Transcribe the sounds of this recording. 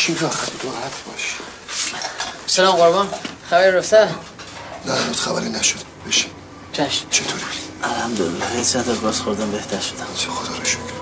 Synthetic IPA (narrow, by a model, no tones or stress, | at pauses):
t͡ʃʰiɡɒxætid̪oɾhæt̪ʰbɒʃ | sælɒːmɣoɾbɒnxæbæɾiɾoft̪æɾ | næbt̪xæbæɾinæʃod̪ | b̥eʃi | t͡ʃʰæʃt͡ʃʰet̪ʰoɾibiælhæmd̪oḛlːɒhesæt̪ɒɡɒːzxoɾd̪æmbe̞ht̪ʰæɾʃod̪æsʰexod̪ɒːɾeʃkʰ